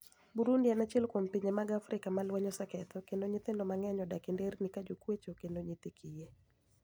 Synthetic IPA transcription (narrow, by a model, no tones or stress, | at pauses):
buɾundianat͡ʃɛlkwompiɲemaɡafɾɪkamalwɛɲɔsɛkɛt̪ɔkendoɲɪt̪ɪndɔmaŋɛɲɔdakɪndernikad͡ʒokwet͡ʃokendoɲɪt̪ikʰije